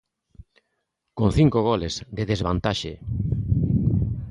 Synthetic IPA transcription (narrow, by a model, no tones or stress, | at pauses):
kon̟θiŋkoɣ̞ɔlezd̪eðezβant̪aʃe